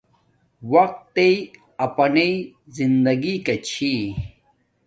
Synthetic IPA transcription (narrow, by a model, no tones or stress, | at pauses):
wɐq̚t̪ːei | ɐpɐnezind̪ɐɡikɐt͡ɕʰi